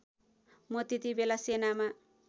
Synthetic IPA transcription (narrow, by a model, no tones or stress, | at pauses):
mot̪it̪ibelasenama